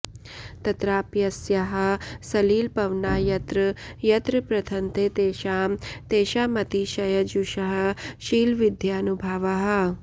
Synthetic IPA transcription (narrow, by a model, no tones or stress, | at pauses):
t̪ɐt̪ɾaːpjɐsjɐɦɐ̆sɐliːlpɐʋnaːjɐt̪ɾɐjɐt̪ɾɨpɾɐt̪ʰɐnt̪eːt̪eːʃaːmt̪eːʃaːmɐt̪iʃɐjɐd͡ʒuʃɐɦɐ̆ʃiːlʋid̪ʱjaːnubʱɐːʋɐɦɐ̆